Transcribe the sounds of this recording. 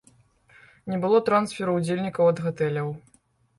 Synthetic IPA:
nʲɛbɨlˠɔt̪ɾansfʲɛɾɐud͡zʲelʲnʲikɐwɐd̪ɣɔt̪ɛlʲɐw

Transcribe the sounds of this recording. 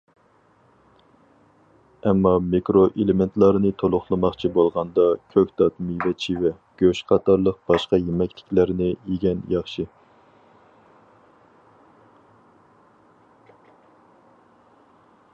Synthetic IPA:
ɛmːɑmekɾoʔelɪment̪ʰlˠɑɾnɨt̪ʰolˠʊχlˠɨmɑχt͡ʃʰibolˠʁɑnd̪ɑkʲʰøkʲt̪ɑt̪mivɛt͡ʃʰiwɛ | ɡ̥ʲøʃqʰɑt̪ɑɾlˠəq̚b̥ɑʃqɑjemɛkʲlɪ̥kʲlæɾnɪeɡʲɛnjɑχʃi

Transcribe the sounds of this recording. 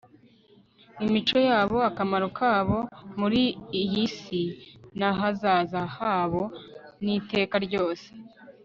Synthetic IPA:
imit͡ʃo̞jaːβo̞akamaɾokʰaːβo̞muɾiːhisinaɦazaːzahaβo̞nite̞ːkaɾɟo̞ːse̥

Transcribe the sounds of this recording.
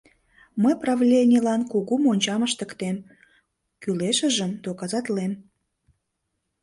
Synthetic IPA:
məjprɑvlʲenʲilɑnkuɣumonʲt͡ɕɑməʃt̪ə̆kt̪em | kyleʃə̆ʒəmd̪okɑzɑt̪lem

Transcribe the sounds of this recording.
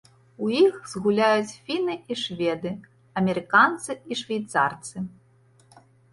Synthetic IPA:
ujixzɣulʲajut͡sʲfʲinɨiʂvʲɛd̪ɨ | ɐmʲɛɾɨkant̪sɨiʂvʲɛjt̪sa̰rt̪sɨ

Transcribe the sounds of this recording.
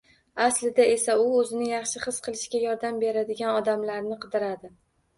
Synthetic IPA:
aslɪd̪ae̞saʊɵzɪnɪjɑχʃɪχɨsqʰɨlˠɪʃkʲajɒɾd̪ambe̞ɾad̪ɪɡʲanɒd̪amlaɾnɪqʰɨd̪ɪɾad̪ɪ

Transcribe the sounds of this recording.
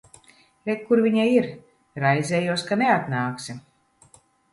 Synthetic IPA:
lʲɛt̪̚kuɾvʲiɲaiɾ | ɾajzɛːjuɔskaneat̪naːksi

